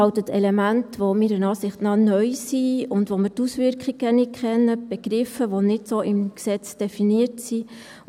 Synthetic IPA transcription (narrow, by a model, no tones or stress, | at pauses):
ɑwtətɛlɛmæntʋomiɾənɑːsɪχtnɑnœʏsiʊndʋomɪɾtusʋɪɾkχiɡənɪkʰχɛnːəb̥ɛɡ̥ɾɪfːəʋonɪtsoʔɪmksɛt͡sd̥ɛfiniətsi